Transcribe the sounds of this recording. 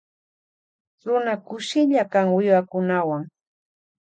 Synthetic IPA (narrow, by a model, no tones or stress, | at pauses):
ɾʊnakʊʃɪʎakaŋwɪjwakʊnawaŋ